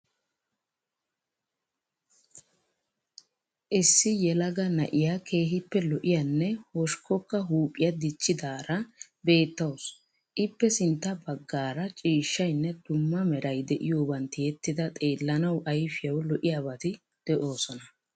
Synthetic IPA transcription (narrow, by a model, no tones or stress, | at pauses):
ʔɪsːɪjɛlɐɡɐnɐ̰ʔɪjakʰe̞ːɦɪpːɛlɔʔɪjanːɛhɔʃkɔkːɐɦuːpʼːɪjɐd̪ɪt͡ʃːɪd̪aːɾɐ | be̞ːt̪ːɐws | ʔɪpːɛsɪnt̪ːɐbɐɡːaːɾɐt͡ʃʼiːʃːɐjnːɛd̪ʊmːɐmɛɾɐjd̪ɛʔɪjoːbɐnt̪ɪjɛt̪ːɪd̪ɐt̪ʼe̞ːlːɐnɐwʔɐjfɪjɐwlɔʔɪjabɐt̪ɪ | d̪̥ɛʔo̞ːsɔnɐ